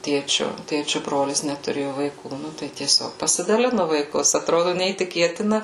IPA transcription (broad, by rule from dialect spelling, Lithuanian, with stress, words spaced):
ˈtʲeːt͡ʃʲʊ ˈtʲeːt͡ʃʲʊ ˈbroːlʲɪs nʲɛtʊˈrʲeːjʊ ʋɐɪˈkuː ˈnʊ tɐɪ tʲiɛˈsʲoːk pɐsʲɪdɐˈlʲɪnʊ ʋɐɪˈkʊs ɐtˈroːdʊ nʲɛiːtʲɪˈkʲeːtʲɪnɐ